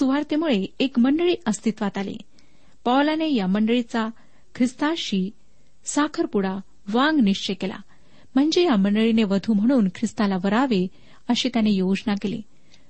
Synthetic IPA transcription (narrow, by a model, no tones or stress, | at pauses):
suʋaɾt̪emuɭeekməɳɖəɭiːʔəst̪it̪ʋat̪alḛ | pawlanejaməɳɖəɭit͡sa | kʰɾist̪aɕiː | sakʰəɾpuɽa | ʋaŋɡniʂt͡ɕekela̰ | m̤əɳd͡zejaməɳɖəɭineʋəd̪ʱuːm̤əɽ̃uːnkʰɾist̪alaʋəɾaʋe | əɕit̪janejod͡znakelḛ